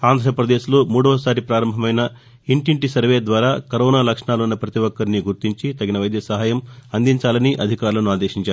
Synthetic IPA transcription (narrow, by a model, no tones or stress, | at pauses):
aːnd̪ʱɾɐpɾɐd̪e̞ːʃloːmuːɽɐʋɐsaːɾipɾaːɾɐmbʱɐmɐjnɐ | iɳʈiɳʈisɐɾʋeːd̪ʋaːɾaːkɐɾɔːnaːlɐkʂɐɳaːlunːɐpɾɐt̪iʋɔkːɐɾniɡuɾt̪iɲt͡ʃit̪ɐɡinɐʋɐjd̪jɐsɐɦaːjɐmɐnd̪iɲt͡ʃaːlɐniʔɐd̪ʱikaːɾulɐnuaːd̪eːʃiɲt͡ʃaːɾu